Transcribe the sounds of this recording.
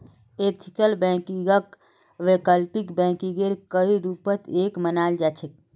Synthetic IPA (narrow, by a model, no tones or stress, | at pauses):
et̪ʰikəlbɛ̃kiɡək | ʋekəlpikbɛ̃kiɡeɾkəiɾupət̪ʰekmənald͡ʒat͡ʃʰek̚